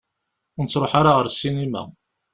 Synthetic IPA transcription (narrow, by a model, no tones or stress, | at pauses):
nət͡sːɾˤoħaɾaʁəɾsːinimæ̰